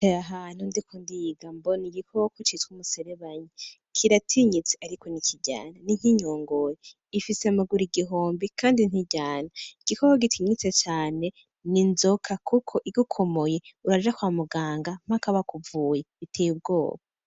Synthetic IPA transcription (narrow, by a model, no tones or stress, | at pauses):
eaɦaːn̥hundikʰondiɡamboniɡikʰookot͡ʃitwumuse̞ɾeβaɲi | kʰiɾatʰiɲit͡seaɾikonicʰiɟa̰ːnaniɲ̥iɲoːŋɡoje | ifisemaɡuɾiɡiɦoːmbikʰaːndin̥hiɟaːnaiɡ̥ikʰokoɡitʰiɲit͡set͡ʃaːne̞ | ninzo̞kʰakʰukʰo̞ʔiɡukʰo̞mo̞jeuɾad͡ʒakwaːmuɡaːŋɡam̥akaβakuvuːjeβitʰejub̚ɡo̞̰ːβa